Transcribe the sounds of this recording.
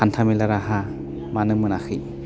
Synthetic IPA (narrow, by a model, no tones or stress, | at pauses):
antʰamilaɾaɦa | manɯmɯnaxɯ